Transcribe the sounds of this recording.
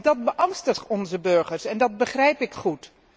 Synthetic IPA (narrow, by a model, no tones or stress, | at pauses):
dɑt̚bəʔɑŋstəχɔnzəbøɹχəɹsɛndɑd̚bəχrɛjpɪkχut